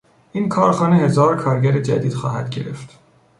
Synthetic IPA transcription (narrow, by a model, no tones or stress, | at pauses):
ʔiːnkʰɒːɾxɒːnehe̞zɒːɾkʰɒːɾɟæɾed͡ʒæ̰d̪iːd̪̥xɒ̰ːhæd̪̥ɟe̞ɾe̞ft̪